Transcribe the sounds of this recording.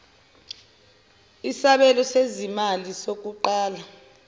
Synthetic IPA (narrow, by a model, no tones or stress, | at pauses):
isaɓɛlɔsezimalisok̬ʼuǃaːla